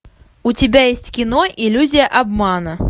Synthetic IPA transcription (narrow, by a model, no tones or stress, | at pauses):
ʊtʲɪbʲajesʲtʲkʲɪno̞ʔɪlʲːuzʲɪjəʔɐbmanə